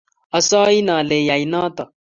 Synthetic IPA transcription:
ɐ˨sɔː˦i˦nãː˨leː˨ja˨i˨naː˦t̪ɐ˨

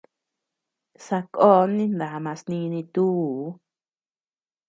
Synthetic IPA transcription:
sa˧ko˦nĩ˦nd̪a˨˧mã˧snĩ˧nĩ˧t̪u˦˨˦

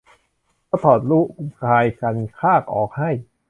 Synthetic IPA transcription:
kɔː˥˩t̪ʰɔː˨˩t̪̚luː˦˥˩ku˧kʰaː˧jka˧nkʰaː˥˩k̚ʔɔː˨˩k̚ha˥˩j

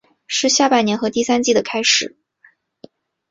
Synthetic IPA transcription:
ʂɻ̩˥˧ɕja˥˩pa˥˩ɪnjɛ˧˥nxɤ˧˥t̪i˥˩sa˥nt͡ɕi˥˩d̪ə˩kʰa˥ɪʂɻ̩˨˩˦

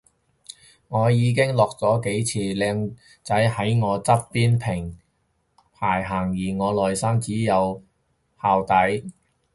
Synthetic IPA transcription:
ŋɔː˨˧jiː˨˧k̬ɪ˥ŋlɔː˨k̚t͡sɔː˨˥ke˨˥jt͡sʰiː˨˧lɛː˧ŋ | t͡sɐ˨˥jhɐ˨˥jŋɔː˨˧t͡sɐ˥t̚piː˥npʰɪ˨˩ŋ | pʰaː˨˩jɦaː˨˩ŋjiː˨˩ŋɔː˨˧lɔː˨jsaː˥ŋt͡siː˨˥jɐ˨˧w | haː˨wt̪ɐ˨˥j

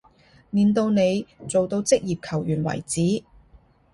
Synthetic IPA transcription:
niː˨˧nt̪o˧wne˨˧jt͡so˨wt̪o˧wt͡sɪ˥k̚jiː˨p̚kʰɐ˨˩wjyː˨˩nwɐ̰˨˩jt͡siː˨˥

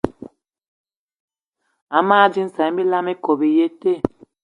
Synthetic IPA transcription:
a˨˦maː˦d͡ʒi˦n̩˦sã˨˦bi˦la˦mi˦ko˨bi˨je˦te˦˨

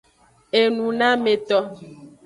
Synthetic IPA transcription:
e˨nũ˨nã˦me˨t̪ɔ˦

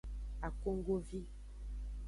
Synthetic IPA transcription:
a˨ko˦ŋɡo˦vi˦

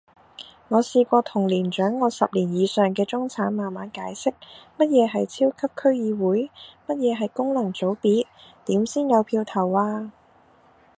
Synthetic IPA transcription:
ŋɔː˨˧siː˧kʷɔː˧t̪ʰʊ˨˩ŋliː˨˩nt͡ʃœː˨˥ŋːɔː˨˧sɐ˨p̚liː˨˩njiː˨˧sœː˨ŋkɛː˧t͡sʊ˥ŋt͡sʰaː˨˥nmaː˨˩nmaː˨˥nkaː˨˥jsɪ˥k̚mɐ˥t̚jɛː˨˧ɦɐ˨jt͡sʰiː˥wkʰɐ˥p̚kʰɵ˥ɥjiː˨˧wuː˨˥jmɐ˥t̚jɛː˨˧ɦɐ˨jkʊ˥ŋlɐ˨˩ŋt͡so˨˥wpiː˨˥t̚t̪iː˨˥msiː˥njɐ˨˧wpʰiː˧wt̪ʰɐ˨˩waː˧

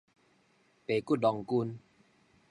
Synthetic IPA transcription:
pe˨ku˦˥t̚dɔ˨˧˩ŋku˧n

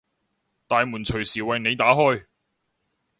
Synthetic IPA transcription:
t̪aː˨˧jmuː˨˩nt͡ʃʰɵ˨˩ɥsiː˨˩wɐ˨jne˨˧jt̪aː˨˥ɦɔː˥˧j

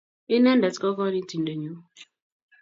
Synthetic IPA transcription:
i˦ne˦n̩˦da˨tkɔ˦kɔ˦ɾi˦ti˨n̩˦de˨ɲo˦

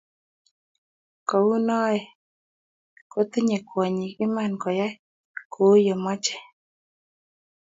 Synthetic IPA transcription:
kɔ˨u˦nɔ˦ɛ˨ | ko˦t̪ɪ˦ɲe˨kwɔ˨ɲi˨ɪ˦ma˦˨nkɔ˨ja˦ | kʰo˨˦jɔ˨mɔ˦t͡ʃɛ̥˨

